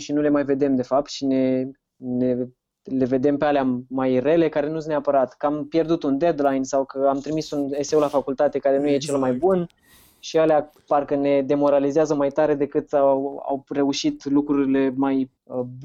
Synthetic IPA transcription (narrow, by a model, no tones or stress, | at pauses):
ʃinule̞majve̞d̪e̞md̪e̞fap̚t̪ʃine̞ | ne | le̞ve̞d̪e̞mpealeamajre̞le̞kaɾe̞nusneapəɾat̪kampje̞rd̪ut̪und̪e̞d̪lajnsawkəamt̪ɾimisunesewlafakult̪at̪e̞kaɾe̞nuje̞t͡ʃe̞lmajbun | ʃialea | parkəne̞d̪e̞mo̞ɾalizeazəmajt̪aɾe̞d̪e̞kɨt̪aa̰wre̞uʃit̪lukɾuɾile̞maj